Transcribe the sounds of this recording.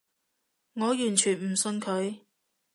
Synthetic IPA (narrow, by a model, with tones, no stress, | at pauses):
ŋɔː˨˧jyː˨˩nt͡ʃʰyː˨˩nm̩˨˩sɵ˧nkʰɵ˨˧ɥ